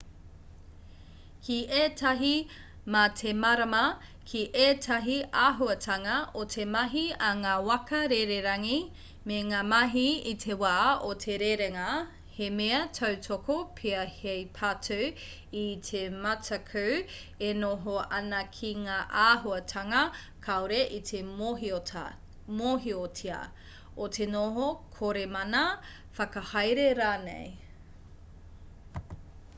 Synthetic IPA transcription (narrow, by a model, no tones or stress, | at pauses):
kʰiʔeːtʰɐɦi | mɐtʰemɐɾɐmɐkʰiʔeːtʰɐɦiaːɦuɐtʰɐŋɐʔotʰemɐɦiɐŋaːwɐkɐɾeɾeɾɐŋi | meŋaːmɐɦiitʰewaːotʰeɾeɾeŋɐ | hemeɐtʰɐwtʰokopʰiɐhejpʰatʰuw | itʰemɐtʰɐkʰʉw | enoɦoʔɐnɐkʰiŋaːʔaːɦuɐtʰɐŋɐ | kʰaoɾeʔit̪ʰe | moɦiotʰiɐ̰ | otʰenoɦokʰoɾemɐnɐ | fɐkɐhɐjɾeɾaːnḛj